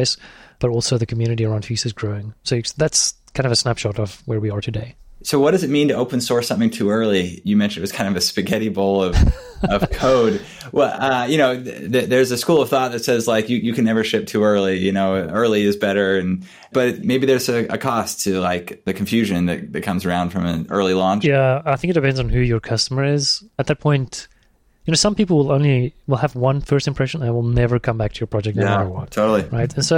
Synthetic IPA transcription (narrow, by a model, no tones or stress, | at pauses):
ɪsb̥ʌɾɔlˠsoʊðɨkʰmjʉnɨɾiə˞ãʊ̃nd̥fisɨzɡɹoʊɪ̃ŋsoʊðætskʰãɪ̃ndʌvəsnæpʃɑɾʌvwə˞wiə˞tʰɨdeɪsoʊwʌt̚d̥ʌzɨt̚mĩntɨoʊpɨ̃n̩sɔɹsʌ̃mθɪ̃ŋtʰʉɜ˞lˠijɨmɛ̃nʃɨ̃n̩ɨwʌ̥z̥kãɪ̃ndʌvɨspɨɡɛɾiboʊlˠʌv | ʌv̥kʰoʊd̚ | wɛʌjɨñoʊðɨðə˞zɨskulˠʌv̥θɔt̪̚ðɨtsɛzlaɪkjɨjɨkɨ̃nːɛvə˞ʃɪp̚tʰʉɜ˞lˠijɨnoʊɜ˞lˠiɨzbɛɾə˞ɨ̃n | b̥ʌtmeɪbiðə˞zɨə̰kʰɔstʰɨlaɪkðɨkʰɨ̃ɱ̩fjʉʒɨ̃nðɨ̰t̚ðɨt̚kʰʌ̃mzə˞ãʊ̃nd̥fɹʌ̃mɨ̃nɜ̰˞lˠilɔ̃nt͡ʃjæaɪθɪ̃ŋkɨt̚d̥ɨpʰɛ̃ndzn̩hʉjə˞kʰʌstəmə˞ɪz̥ɨt̪̚ðɨt̚pʰɔ̃ɪ̃nt | jɨnoʊsʌ̃mpipl̩ˠwɪlˠõʊ̃nliwɪlˠəvwʌ̃nfɜ˞stɨ̃mpʰɹ̥ɛʃɨ̃n̩ə̃wɪlˠnɛvə˞kʰʌ̃mbæk̚tʰɨjə˞pʰɹ̥ɑd͡ʒɛk̚ɨaə˞wʌtʰoʊɾl̩ˠiɹaɪtɨ̃nsoʊ